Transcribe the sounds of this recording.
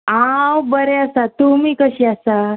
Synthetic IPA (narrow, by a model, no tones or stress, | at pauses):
awbəɾeəsat̪umiːkəɕiːasa